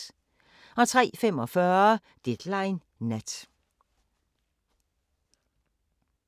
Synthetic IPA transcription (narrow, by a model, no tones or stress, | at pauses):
ɒ̽t͡sʰʁɛ̰ːfem̰ɒ̽fɶːɐ | d̥ed̥lɑɪnː | æd̥